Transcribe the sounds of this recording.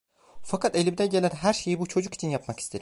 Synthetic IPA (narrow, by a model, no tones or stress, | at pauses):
fakʰat̪e̞lʲimd̪ɛɟe̞lʲæɾɦæɾʃe̞jibut͡ʃʰo̞d͡ʒuki̥t͡ʃʰinjapmaki̥st̪ʰe̞ɾi